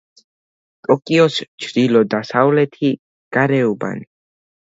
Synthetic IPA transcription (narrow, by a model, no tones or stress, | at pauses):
t̪ʼɔkʼiɔst͡ʃʰɾilɔd̪asavlɛt̪ʰi | ɡ̥aɾɛuba̰ni